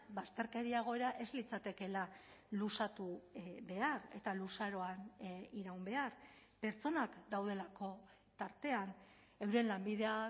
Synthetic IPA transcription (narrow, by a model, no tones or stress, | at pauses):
bast̪e̞ɾke̞ɾiaɣ̞o̞e̞ɾaʔe̞zlit͡sat̪e̞ke̞lalusat̪uβe̞are̞̰t̪alusaɾo̞aniɾawmbe̞ar | pe̞ɾt͡so̞nakd̪awð̞e̞lako̞ | t̪aɾt̪e̞an | e̞wɾe̞nlambiðe̞a